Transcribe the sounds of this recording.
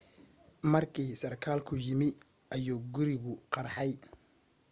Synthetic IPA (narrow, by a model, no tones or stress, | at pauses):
mɐrkʰiːsɐrkʰaːlkʰʊjɪmɪ | ʔɐjuːɡʊɾɪɣʊqɑɾħɑj